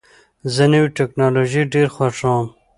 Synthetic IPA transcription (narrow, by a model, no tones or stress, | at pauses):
zɐnɐwiʈeknaːloːʒiɖeːɾxwaʂãːm